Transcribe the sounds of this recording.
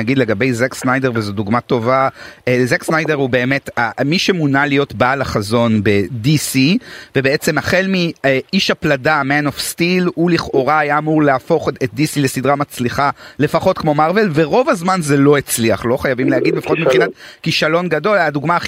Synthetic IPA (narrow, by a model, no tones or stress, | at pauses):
aɡid̪leɡabe̞jzeksnajde̞ʁvezuduɡmato̞vaezeksnajde̞ʁhube̞ːme̞tamiʃemunalijo̞tbalaχazo̞nbe̞disive̞beet͡se̞maχe̞lmieiʃapladameanofstiluliχʔoʁaːjaːmuʁleafo̞χet̚d̪isile̞sidʁamat͡sliχale̞faχo̞t̪kmo̞maʁve̞lveʁo̞vazmanze̞lo̞it͡sliaχlo̞χajavimleaɡidlefḁχotmipχinat̪kiʃalo̞nɡado̞laduɡmaː